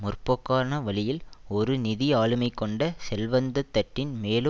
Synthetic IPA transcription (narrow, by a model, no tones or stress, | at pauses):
mʊrpɔkːaːnɐʋɐɭɪjɪlɔɾɯnɪðɪaːɭɯmɐɪkːɔɳɖɐsɛlʋɐnd̪ɐt̪ːɐʈːɪnmeːlɯ